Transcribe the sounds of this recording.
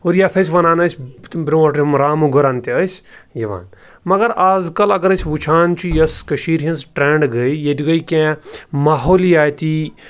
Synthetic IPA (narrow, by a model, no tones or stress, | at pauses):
oːɾjat̪ʰɐsʰʲʋɐnaːnɐsʰʲbɾiɐʈimɾaːmuɡɐɾaːnt̪iəsʲjɐʋa̰ːn | mɐɡɐɾaːzkɐlɐɡɐɾɐsʰʲʋut͡ʃʰaːnt͡ʃʰujɐskɐʃiːɾɦɐ̃nsʈɾẽːɳɖɡəjjet̪ʲiɡɐjkʲẽmaːɦoːljaːt̪ʲi